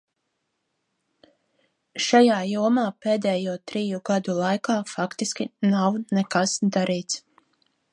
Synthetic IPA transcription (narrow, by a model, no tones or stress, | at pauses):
ʃajaːjuɔmaːpeːd̪ɛːjuɔt̪ɾiːjuɡad̪ulˠajkaːfakt̪iskʲinawnɛkasd̪aɾiːt̪s